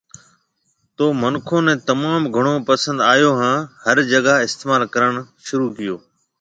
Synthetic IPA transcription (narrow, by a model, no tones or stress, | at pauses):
t̪oːmənkʰõːnɛ̃ːt̪əmaːmɡʱəɽ̃oːpəsə̃nd̪aːjoːɦãːhəɾd͡ʒəɡaɪst̪eːmaːlkəɾəɳ̃ʃʊɾuːkɪjoː